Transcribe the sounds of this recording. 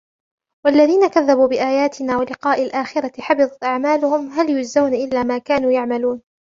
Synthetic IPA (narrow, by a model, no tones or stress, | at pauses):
walːaðiːnakaðːabuːbɪʔaːjaːt̪ɪnaːwalɪqɑːʔalʔaːxɪɾat̪ɪħɑbɨðˤɑt̪ʔaʕmaːlʊhʊmɦaljʊzːawnaʔɪlːaːmaːkaːnuːjaʕmaluːn